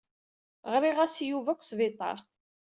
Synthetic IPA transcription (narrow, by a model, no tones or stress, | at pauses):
ʁɾiʁæsjuvækʷːsvɪt̪ˤːɑ̰ɾˤ